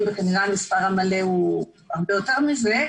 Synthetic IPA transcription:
bekaniʁamispaʁamaleu | aʁbeoteʁmize

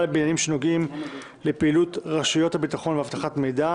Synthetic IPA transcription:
lebinjanimʃeno̞ɡim | le̞peiːlutʁaʃujo̞thabitaχo̞nveavtaχatme̞jda

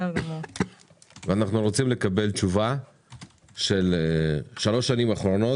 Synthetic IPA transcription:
veanaχnuʁo̞t͡simle̞kabe̞lt͡ʃuva | ʃe̞leʃalo̞ʃːanimaχɾo̞no̞

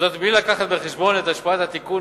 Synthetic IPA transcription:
d̪at̪blilakaχat̪beχeʃbo̞net̪aʃpaat̪hat̪iku

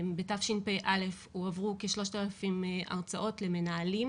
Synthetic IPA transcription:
betafʃinpejʔale̞fhuavʁuke̞ʃlo̞ʃtaːlafimʔa̰ʁt͡saʔo̞tle̞me̞naːlim

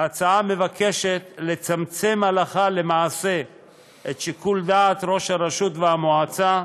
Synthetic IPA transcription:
at͡saame̞vakʰe̞ʃe̞t̪let͡samt͡semhalaχale̞maːse̞ | ʔet̪ʃikuld̪aːt̪ɾo̞ʃhaɾaʃut̪veamoat͡sa

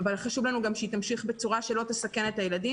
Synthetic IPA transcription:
valχaʃuvlanuɡamʃeitamʃiχbet͡suʁaʃe̞lo̞t̪esake̞netajeladi

